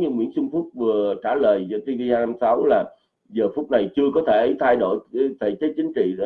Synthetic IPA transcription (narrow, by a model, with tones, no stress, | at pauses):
ɲɨ˧ŋwḭ˧˥ənsɨ˧ŋfʊ˦˥k͡p̚vɨ˨˩ət͡ɕaː˧˩ləː˨˩jzə̰ː˧˩ki˧ɣi˧zaː˧na˧msa˨˦wlaː˨˩ | zəː˨˩fʊ˦˥k͡p̚na˨˩jt͡ɕɨ˧əkɔ˨˦t̪ʰe˧˩ʔə˨˦jt̪ʰa˧jɗo˧˩jt̪ʰḛ˧˨t͡ɕə˦˥t͡ɕï˨˦ŋ̟t͡ɕḭ˧˨˧